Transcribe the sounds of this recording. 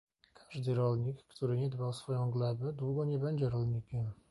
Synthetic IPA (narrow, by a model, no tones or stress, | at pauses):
kʰḁʐd̪ɘɾɔlɲikːt̪uɾɘɲɛd̪bawsfɔjɔ̃w̃ɡlɛbɘd̪wuɡɔɲɛbɛɲd͡ʑɛɾɔlɲikʲɛm